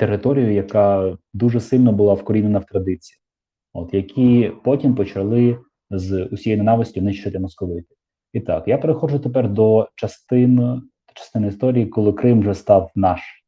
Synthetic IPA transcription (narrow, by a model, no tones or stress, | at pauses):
t̪erːɪt̪ɔɾʲijʊjɐkɑd̪uʐɛsɪlʲnɐbʊlˠɑwkɔɾʲinenɐwt̪ɾɐd̪ɪt͡sʲiji | ɔt̪jɐkʲʰipɔtʲimpɔt͡ʃɐlˠɪ | zʊsʲijejnʊnɑʋɪsʲtʲʊnɪʃt͡ʃɐt̪ɪmɔskɔʋɪt̪ɪ̥ | it̪ɑkjapeɾexɔʒʊt̪epɛrd̪ɔt͡ʃɐst̪ɪn | d̪̥ɔ̥t͡ʃɐ̥st̪ɪnɪist̪ɔɾʲijikɔlˠɪkɾɪmʒɛst̪ɑwnɑʃ